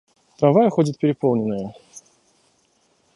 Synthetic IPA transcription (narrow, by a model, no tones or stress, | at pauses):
t̪ɾavajəxodʲɪt̪̚pʲɪɾʲɪpo̞lˠnʲɪnːəjə